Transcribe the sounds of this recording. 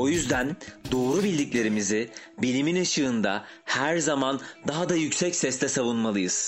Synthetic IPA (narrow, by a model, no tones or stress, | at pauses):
o̞jyzd̪ænd̪o̞ːɾubilʲd̪ʲiclʲe̞ɾimizɪbilʲiminaʃɯːnd̪a | hæɾzamand̪aɦad̪ajycsɛcsɛst̪ʰɛsavunmalˠɯjɯz̥